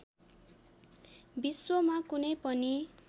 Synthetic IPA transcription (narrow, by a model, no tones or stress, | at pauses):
biswʌmakunʌjpʌni